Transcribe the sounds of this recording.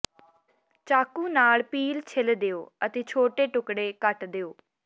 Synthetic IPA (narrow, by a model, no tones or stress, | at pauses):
t͡ʃaːkũːnaːlpiːlt͡ʃʰɪld̪eːoːət̪eːt͡ʃʰoːʈeːʈʊkɽeːkəʈd̪eːoː